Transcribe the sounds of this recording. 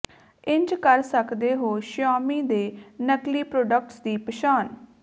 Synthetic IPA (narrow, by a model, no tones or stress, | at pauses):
ɪ̃ɲd͡ʒkəɾsəkd̪eːɦoːʃaːmiːd̪eːnəkliːpɾoːɖək̚ʈsd̪iːpəʃaːn